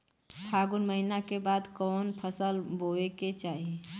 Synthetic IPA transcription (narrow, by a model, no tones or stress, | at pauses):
pʰaːɡʊnməɦinakebaːd̪kɔːnpʰəsəlboeket͡ʃaːɦie